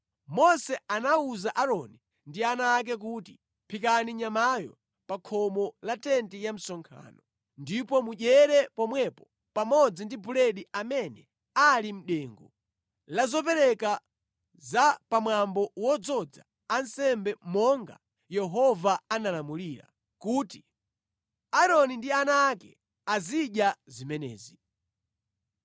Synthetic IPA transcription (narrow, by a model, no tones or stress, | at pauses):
mɔsɛanauzaʔaɾɔni | ndianak̬ɛk̬uti | pʰikaniɲamajɔ̰ | pakʰɔmɔlatɛntijam̩sɔŋkʰa̰ːnɔ | ndipɔmuʄɛɾɛpɔmwɛpɔ | pamɔd͡zindibulɛɗiamɛnɛ | alim̩ɗɛːŋɡɔ | lazɔpɛɾɛka | zapamwambɔwɔd͡zɔd͡zaː | n̩sɛmbɛmɔŋɡa̰ | jɛɦɔvaanalamuliɾa̰ | kuːti | aɾɔnindianaːkɛ̰ | aziɗjazimɛnɛ̰ːzi